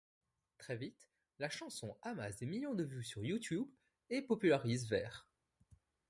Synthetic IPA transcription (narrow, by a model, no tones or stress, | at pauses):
t̪χɛvit̪ | laʃɑ̃sɔ̃amasd̪emiljɔ̃d̪əvysyʁjut̪jub | epɔpylaʁizvɛːʁ